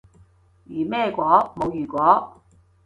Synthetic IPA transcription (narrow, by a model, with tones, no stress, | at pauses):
jyː˨˩mɛː˥˧kʷɔː˨˥mo˨˧wjyː˨˩kʷɔː˨˥